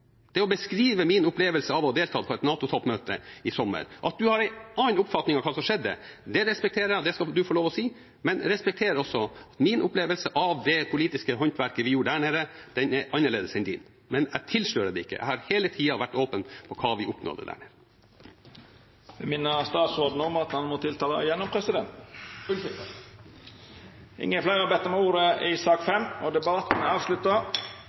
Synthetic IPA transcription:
d̪̥ɛɔbəskɾiːʋəmɪnʊpleːʋəlsəɑʋɔd̪eːlt̪ʰɑːpʰɔɛt̪nɑːt̪ʊt̪ʰɔpmøːt̪əɪsɔmːə̰ɾʔɑt̪̚d̪ʉhɑɾæɪɑːnʊpfɑt̪nɪŋɑʋkʰɑːsɔmʂɛd̪ːə̰d̪ɛɾɛspɛkt̪ʰeːɾəæd̪ɛskɑd̪ʉfoːɭoːʋɔsiː | mɛnɾɛspɛk̚t̪ʰeːɾəɾɔsɔɑt̪mɪnʔʊpleːʋəlsəʔɑʋd̪ɛpʰʊliːt̪ɪskəɦɔnt̪ʋæɾkəʋɪjuːɖəd̪æɳeːɾəd̪̥ɛnɛʔɑnːəɭeːd̪əsɛnd̪ɪnː | mɛnæt̪ʰɪlʂløːɾəd̪ɛɪkːə̰jʔæ̰ɪhɑɾheːlət̪ʰiːɑʋæʈːoːpənpʰɔkʰɑːʋɪʔʊpno̰ːd̪ə̰d̪æ̰ːɳeːɾə | ʋɪmɪnːəst̪ɑːt̪sɔɖ̪nəɔmɑt̪hɑnmɔt̪ʰɪlt̪ʰɑːlə̰jɛnːɔmpʰɾɛsɪd̪ɛnt̪ʊlɪt̪ɪ | ʔɪ̰ŋːəflæɪɑbɛt̪ːəmɛuːɾəʔɪsɑːkfɛmɔd̪ɛbɑt̪n̩ɑːʋʂlʉt̪ːə

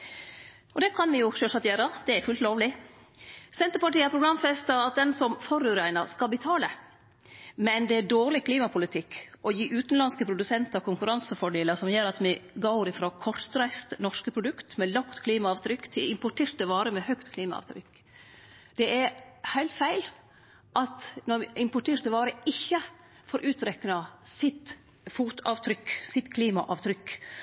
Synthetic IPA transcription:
ɔd̪ɛkʰɑnʋɪjʊʃøːʂɑt̪jøːɾəd̪̥ɛæɾfʉːlt̪loːʋlɪ | sɛnt̪əɾpɑʈiːəpʰɾʊɡɾɑmfɛst̪ɑɑt̪̚d̪ɛnsɔmfɔɾʉːɾæɪnəɾskɑlbət̪ʰɑːlə | mɛnd̪ɛæɖoːʁlɪkʰliːmɑpʰʊlɪt̪ʰɪkːʔɔjiːʔʉːt̪nlɑnskəpʰɾʊd̪ʉsɛnt̪ɑɾkʰʊŋkʉɾɑnsəfɔɖeːləsɔmjøːɾɑt̪mɪɡoʊɾɪfɾokʰɔɾt̪ɾæɪst̪nɔʂkəpʰɾʊd̪ʉkt̪mɛlɑkt̪kʰliːmɑɑːʋt̪ʰɾʏkːt̪ʰɪlɪmpʊʈʰeːɾt̪̚d̪ɛʋɑːɾəmɛhœkt̪kʰliːmɑ̰ɑ̰ʋt̪ʰɾʏ̰kː | d̪̥ɛʔæɾhæɪlt̪fæɪl | ʔɑt̪nɔʔɪmpʊʈʰeːɾt̪̚d̪ɛʋɑːɾəɪçːə | fɔɾʔʉːt̪ɾɛkːənɑsɪt̪ | fuːt̪ʰɑːʋt̪ʰɾʏkːsɪt̪kʰliːmɑ̰ʔɑːʋt̪ʰɾʏkː

